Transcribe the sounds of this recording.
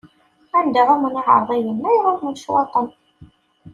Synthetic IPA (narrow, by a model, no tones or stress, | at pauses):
ænd̪æʁæməniʕə̰ɾˤðˤæjənːæjʁəɾmənʃwɑt̪ˤən